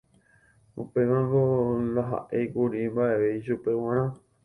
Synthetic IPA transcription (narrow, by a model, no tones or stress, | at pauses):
upemãŋɡolaɦa̰ʔejkuɾimbaʔeʋeiʃupe̞wãɾ̃ã